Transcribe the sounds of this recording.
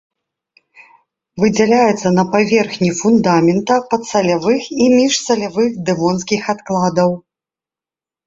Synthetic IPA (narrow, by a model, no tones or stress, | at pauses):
vɨd͡zʲɛlʲajɛt̪sːɐnɐpavʲɛrxnʲifund̪amʲɛnt̪ɐpɐt̪sɐlʲavɨximʲiʂsɐlʲavɨxd̪ɨvɔnskʲixat̪klˠad̪ɐw